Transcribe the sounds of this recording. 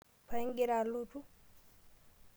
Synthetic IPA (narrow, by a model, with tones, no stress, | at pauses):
pa˦ŋɡi˦ɾalutu˦